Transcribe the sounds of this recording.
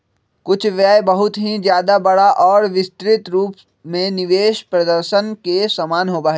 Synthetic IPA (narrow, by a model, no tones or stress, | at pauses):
kʊt͡ʃʰʋjaːjbɐɦʊt̪ɦĩd͡ʒjaːd̪abɐɽaʔɔːɾʋɪst̪ɾɪt̪ɾuːp | mẽnɪʋeːʃpɾɐd̪əɾʃənkesɐmaːnɦopaːɦe